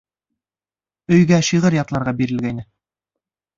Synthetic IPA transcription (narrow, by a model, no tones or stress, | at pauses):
ɵ̆jɡæʃiʁɤɾjɑt̪lˠɑɾʁɑbiɾɘ̆lɡæjnɘ